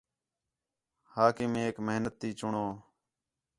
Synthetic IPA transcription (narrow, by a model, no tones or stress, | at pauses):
haːkɪːmeeːkməɦnət̪ːiːt͡ʃʊɳoː